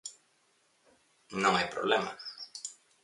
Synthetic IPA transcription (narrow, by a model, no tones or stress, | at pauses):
nõŋajpɾoβlema̰